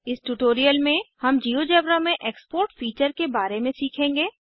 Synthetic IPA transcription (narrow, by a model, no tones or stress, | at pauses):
ɪsʈuʈoːɾijəlmẽhɐmd͡ʒiːod͡ʒɐbɾamẽʔeːkspoːɾʈfiːt͡ʃəɾkebaːɾemẽsiːkʰẽːŋɡeː